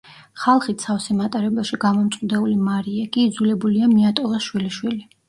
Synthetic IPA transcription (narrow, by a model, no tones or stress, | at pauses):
χalˠχit̪sʰafsɛmat̪ʼaɾɛbɛʃiɡamɔmt̪sʼqʼd̪ɛulimaɾiɛkʼiːd̪zulɛbuliamiat̪ʼɔlˠaʃwiliʃwili